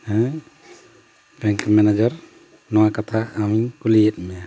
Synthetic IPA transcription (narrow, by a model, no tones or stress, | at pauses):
ɛ̃ | bɛŋkmɛnɛd͡ʒəɾ | nɔwakat̪ʰaːmikuliɛt̪̚ˀmɛja